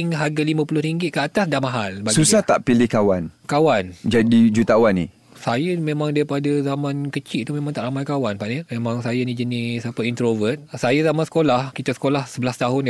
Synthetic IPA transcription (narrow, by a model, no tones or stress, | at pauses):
ŋɦaɡalimãpulʊhɾiŋɡɪt̪̚kəat̪asdamaɦalbaɡsuissaht̪a̰ʔpilɪhkawankawand͡ʒadid͡ʒut̪awanḭ | sajamẽmãŋdaɾipadazamãnkət͡ʃɪʔ̚t̪umẽmãŋt̪aʔɾamajkawanpaʔnəmemãŋsajanid͡ʒənisapəint̪ɾovət̪̚sajazamansə̥kolahkit̪asə̥kolahsəbəlast̪aɦʊn